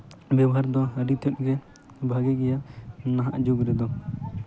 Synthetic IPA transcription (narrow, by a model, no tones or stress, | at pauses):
babɔɦaɾd̪ɔɦəɾit̪ɔʔ̚ɡɛ | bʱaɡɛɡɛjanaɦa̰ʔd͡ʒuɡɾɛd̪ɔ